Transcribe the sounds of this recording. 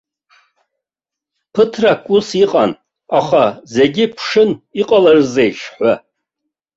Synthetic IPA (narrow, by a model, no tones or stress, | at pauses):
pʰɨtʰrakʷʼusiqʼan | aχaze̞ɡʲɪpʰʂɨniqʼalarzejʃħʷa